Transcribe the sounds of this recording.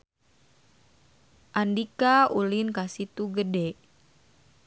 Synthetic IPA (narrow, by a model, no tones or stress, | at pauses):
ʔandikaulinkasit̪uɡədɛ